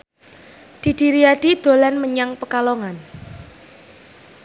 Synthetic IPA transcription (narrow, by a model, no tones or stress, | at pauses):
d̥i̤d̥i̤ɾiaɖ̥id̪̥o̤lɛnməɲaŋpəkaloŋan